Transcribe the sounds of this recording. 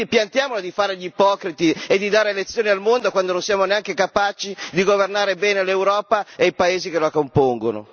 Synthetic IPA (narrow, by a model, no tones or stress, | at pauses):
ipjant̪jaːmolod̪ifaːɾeʎipɔːkɾit̪ied̪ːid̪aːɾelet̪sːjoːnialmond̪okwand̪ononsiaːmoneaŋkekapaːt͡ʃid̪iɡovernaːɾebɛːnelewɾɔːpaejpaeːzikeloakompoŋɡono̰